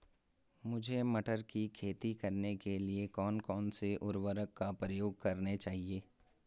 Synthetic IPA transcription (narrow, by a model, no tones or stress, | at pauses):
mʊd͡ʒʱemɐʈəɾkikʰeːt̪ikɐɾnekeliekɔːnkɔːnseʔʊɾʋəɾəkːapɾəjoːɡ̚kɐɾnet͡ʃaːɦieː